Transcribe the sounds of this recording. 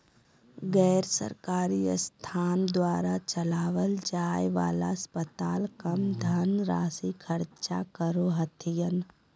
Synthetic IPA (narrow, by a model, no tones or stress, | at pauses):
ɡɛːɾsə̰ɾkaːɾist̪ʰaːnd̪waːɾat͡ʃəlaːʋəld͡ʒaːjʋa̰ːla̰spət̪aːlkəmd̪ʱɐnɾa̰ːsikʰɐɾt͡ʃa̰kəɾoɦət̪ʰijən